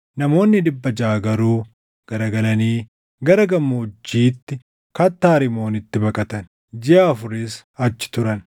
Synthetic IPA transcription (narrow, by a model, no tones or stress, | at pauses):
nɐmo̞ːnːɪd̪ɪbːɐd͡ʒaːɡɐɾuː | ɡ̥ɐɾɐɡɐlɐniː | ɡɐɾɐɡɐmːʊʊd͡ʒːiːt̪ːɪ | kɐt̪ːaːɾɪmo̞ːnɪt̪ːɪbɐkʼɐt̪ɐn | d͡ʒɪɐːfʊɾɪs | ɐt͡ʃːɪ̥t̪ʊɾɐn